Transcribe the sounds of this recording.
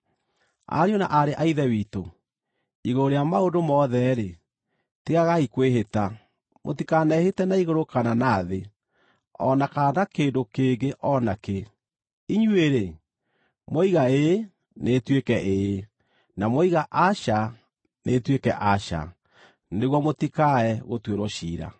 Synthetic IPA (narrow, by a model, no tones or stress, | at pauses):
a̰ɾiona̰ʔaɾeʔaiðɛwiːto | iɣoɾeamaondomɔðɛɾe | tiɣaɣaikweɦeta | mo̰tikanɛhetɛnaiɣoɾokananaːðe | ɔnakanakeːndokeɡeʔɔnake | iɲweɾe | moiɣae | netwekɛʔe | namoiɣaʔaʃa | netwekɛʔaʃa̰ | neɣwɔmotikaɛɣotweɾoʃiːɾa̰